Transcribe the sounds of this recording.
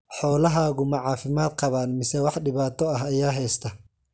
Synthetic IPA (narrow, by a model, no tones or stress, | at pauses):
ħɔːlɐɦaːɣʊmɐʕɑːfɪmaːd̪̚qɑβaːnmɪsɛwɑħɖɪβaːt̪ʰɔɐɦɐjaːɦɛːst̪ʰɐ